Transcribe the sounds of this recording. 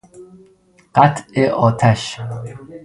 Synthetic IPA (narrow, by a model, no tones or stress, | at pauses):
ɢ̥æt̪ʰeʔɒːt̪ʰæʃ